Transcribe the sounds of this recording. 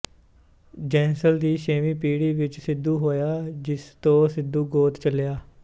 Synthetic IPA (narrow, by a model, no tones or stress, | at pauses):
d͡ʒɛːnsəld̪iːʃeːmiːpiːɽiːʋɪt͡ʃsɪd̪uːɦoːjaːd͡ʒɪst̪õːsɪd̪ːuːɡoːt̪t͡ʃəljaː